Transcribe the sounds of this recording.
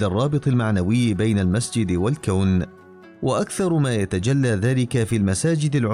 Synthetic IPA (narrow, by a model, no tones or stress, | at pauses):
larˤːɑːbɨt̪ˤɪlmaʕnawɪjːbajnalmasd͡ʒɪd̪walkawn | waʔakθɑɾˤmaːjat̪ad͡ʒalːaːðaːlɪkafiːlmasaːd͡ʒɪd̪alʕ